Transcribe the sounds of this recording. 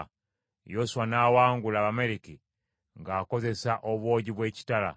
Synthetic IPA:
josuwanaːwaːŋɡulaβame̞ɾiki | ŋɡaːko̞ze̞saʔo̞βwo̞ːɟiβwe̞ːci̥tala̰

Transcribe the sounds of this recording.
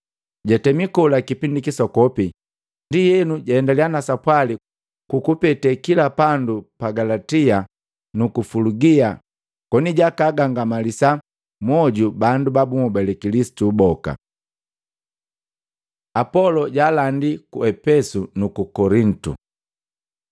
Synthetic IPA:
ɟatɛmikɔlakipindikisɔkɔpi | ndijɛnuɟaɛndalianasapwali | kukupɛtɛkilapandupaɡalatia | nukufuluɡia | kɔniɟakaːɡaŋɡamalisa | mɔɟubandubabumubalɛkilisi̥tubɔka̰ | apɔlɔɟaːlandikuɛpɛsunukukɔɾin̩tṵ

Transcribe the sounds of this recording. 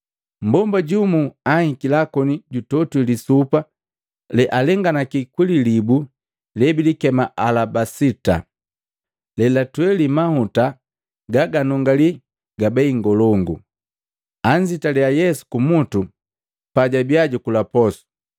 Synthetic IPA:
m̩bɔmbaɟumuahikilakɔniɟutɔtulisupa | lɛʔalɛŋɡanakikwililibu | lɛbilikɛmaʔalabasita̰ | lɛlatwɛlimahuta | ɡaɡanɔŋɡali | ɡabɛiŋɡɔlɔŋɡṵ | aɲd͡ʒitaliajɛsu̥kumutu | paɟabiaɟukulapɔsu̥

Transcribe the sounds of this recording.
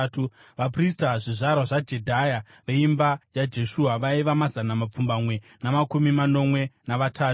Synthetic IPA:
tu | ʋapristaʐiʐaɾaʐad͡ʒe̞dʱaja | ʋeimbajad͡ʒe̞ʃuːaʋaiʋamazanamap͡fumbamwe̞ | namakumimano̞mwe̞naʋatʰaːu

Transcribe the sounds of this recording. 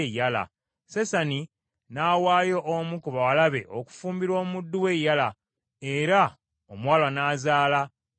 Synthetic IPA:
jala̰ | sesani | naːwaːjo̞ʔːmukuβawalaβe̞̰ʔo̰ku̥fuːmbiɾwo̞ːmudːuwejala | eɾa | omwaːlwanaːzaːla

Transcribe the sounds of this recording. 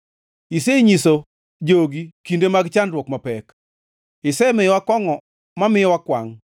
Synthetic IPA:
iseɲiso | d͡ʒoɡikindemaɡt͡ʃandɾwɔkmapɛk | ɪsɛmɪwakɔŋɔ | mamɪwakwaŋ

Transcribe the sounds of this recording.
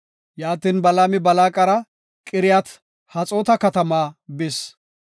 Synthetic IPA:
jaːt̪iːnbɐlaːmɪbɐlaːkʼɐɾɐ | kʼɪɾɪjat̪ | hɐt͡sʼoːt̪ɐkɐt̪ɐmaːbɪs

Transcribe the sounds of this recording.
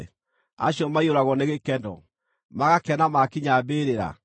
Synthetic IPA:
a̰ɕjɔmaioɾaɣɔneɣekɛndɔ̰ | maɣakɛnamakiɲabeːɾeɾa̰

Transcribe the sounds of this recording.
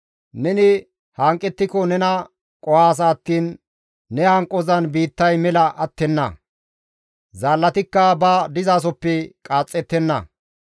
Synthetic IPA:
nɛnɪ | hɐŋkʼːɛt̪ːɪkɔnɛnɐ | kʼɔhaːs̬ɐːt̪ːiːnː | ɛhɐŋkʼːɔzɐnbiːt̪ːɐjmɛlɐʔɐt̪ːɛnːɐ̰ | zaːlːɐt̪ɪkːɐbɐd̪ɪzaːs̬ɔpːɛkʼaːt͡sʼːɛt̪ːɛnːɐ̰

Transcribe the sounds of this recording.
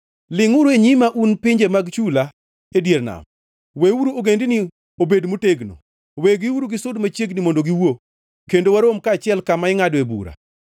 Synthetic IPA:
lɪŋʊɾoeɲimaʔunpɪɲd͡ʒemaɡt͡ʃula | edjeɾna̰m | wewuɾuoɡendini | obedmoteɡno̰ | weɡiwuɾuɡɪsʊdmat͡ʃjeɡnimondoɡiwo | kendowaɾomkat͡ʃɪɛlkamaɪŋadoebṵɾa̰

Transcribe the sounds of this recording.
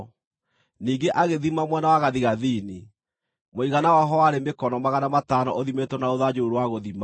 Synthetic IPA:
niːŋɡeʔaɣeðimamwɛnawaɣaðiɣaðini | moiɣanawaɦɔwaɾemekɔnɔmaɣanamatanɔʔoðimetɔnaoðad͡ʑouɾowaɣoðima

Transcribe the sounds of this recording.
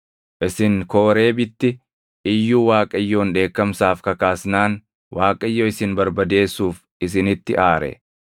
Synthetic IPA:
ʔɪsɪŋko̞ːɾe̞ːbɪt̪ːɪ | ʔɪjːuːwaːkʼɐjːo̞ːnᶑe̞ːkːɐmsaːfkɐkaːsnaːn | wʔaːkʼɐjːoːɪsɪnbɐɾbɐd̪e̞ːsːuːf | ɪs̬ɪnɪt̪ːɪʔaːɾɛ̰

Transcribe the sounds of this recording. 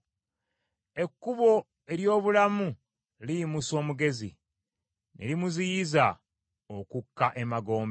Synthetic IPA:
e̞kːuβo̞ | e̞ɾjo̞ːβulamu | lijimuso̞ːmuɡe̞zḭ | nḛlimuzijiza | okukːaʔemaɡo̞ːmbe

